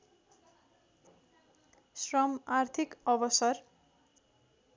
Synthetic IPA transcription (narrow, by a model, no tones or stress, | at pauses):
srʌmart̪ʰikʌbʌsʌr